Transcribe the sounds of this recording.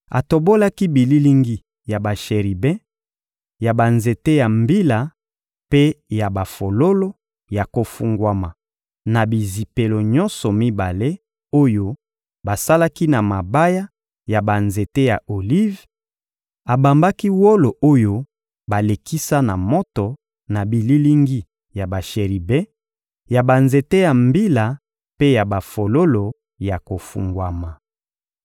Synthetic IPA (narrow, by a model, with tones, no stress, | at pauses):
a˨to˨bo˦la˦ki˦bi˨li˦li˦ŋɡi˦ | ja˨ba˨ʃe˨ʁi˨bɛ̃˦ | ja˨ba˨nze˨te˦ja˨mbi˦la˨ | pe˦ja˨ba˨fo˨lo˦lo˦ | ja˨ko˨fu˨ŋɡwa˦ma˨ | na˨bi˨zi˨pe˨lo˨ɲɔ̃˦nsɔ˨mi˦ba˨le˦ | o˦jo˦ | ba˨sa˦la˦ki˦na˨ma˨ba˦ja˦ | ja˨ba˨nze˨te˦ja̰˨ʔo˨li˦v | a˨ba˨mba˦ki˦wo˦lo˨ʔo˦jo˦ | ba˨le˨ki˦sa˦na˨mɔ˦tɔ˨ | na˨bi˨li˦li˦ŋɡi˦ | ja˨ba˨ʃe˨ʁi˨bɛ˦ | ja˨ba˨nze˨te˦ja˨mbi˦la˨ | pe˦ja˨ba˨fo˨lo˦lo˨ | ja˨ko˨fṵ˨ŋɡwa˨ma˨